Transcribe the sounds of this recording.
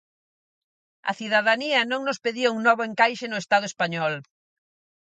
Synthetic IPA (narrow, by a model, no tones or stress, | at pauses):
ɐ̰θiðaðaniɐnõŋnospeðiɐuŋnɔβoeŋkajʃenʊest̪að̞ʊespaɲɔl